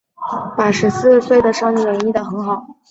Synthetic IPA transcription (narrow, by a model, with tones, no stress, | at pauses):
pa˨˩ʂɻ̩˧˥sɹ̩˥˧swe˥˩ɪd̪ə˩ʂɑ˥˧ni˥˩ə˧ɻə˧˥i˥˩d̪ə˥˩xɤ˧˥ŋxɑ˨˩˦ʊ